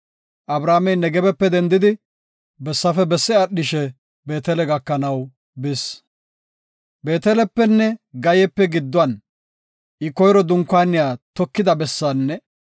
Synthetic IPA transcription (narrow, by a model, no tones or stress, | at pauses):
ʔɐbɾaːmɛjnɛɡɛbɛpːɛd̪ɛnd̪ɪd̪ɪ | bɛsːɐfɛbɛsːɛɐɗɪʃɛ | be̞ːt̪ɛlɛɡɐkːɐnɐw | bɪs | be̞ːt̪ɛlɛpːɛnːɛɡɐjɛpːɛɡɪd̪ːʊɐn | ʔɪkɔjɾɔd̪ʊŋkːaːnɪjaːt̪ɔkːɪd̪ɐbɛsːaːnːɛ